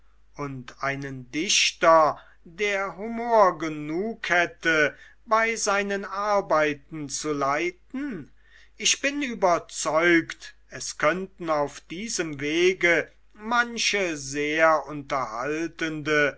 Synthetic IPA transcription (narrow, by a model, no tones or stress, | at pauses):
ʔʊntʔaɪnəndɪʃtɐ | deːɐɦumoːɐɡənuːkhɛtə | baɪzaɪnənaɐbaɪt̚n̩t͡sulaɪtn̩ | ʔɪçb̥ɪnyːbɐt͡sɔʏkt | ɛskʰœntn̩aʊfd̥iːzəmveːɡə | manʃəzeːɐʔʊntɐha̰ltəndə